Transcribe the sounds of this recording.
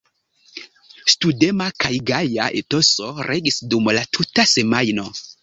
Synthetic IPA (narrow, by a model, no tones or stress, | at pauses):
stude̞makajɡajaʔeto̞so̞ɾʔeɡisdumlatʰutase̞majno̞